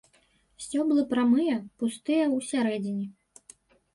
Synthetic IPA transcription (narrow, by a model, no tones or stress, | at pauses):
sʲt͡sʲɔblˠɨpɾamɨjɐpust̪ɨjɐwsʲaɾɛd͡zʲinʲi